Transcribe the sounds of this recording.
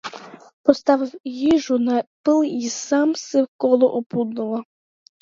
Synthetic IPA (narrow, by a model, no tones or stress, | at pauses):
pɔst̪ɑʋɪwjiʒʊnɐpɪlˠisɑmsɪwkɔlˠɔʔɔpud̪nʊlˠɐ